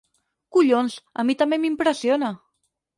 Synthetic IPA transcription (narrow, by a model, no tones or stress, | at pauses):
kuʎonsə̰mit̪əmbemimpɾəsiona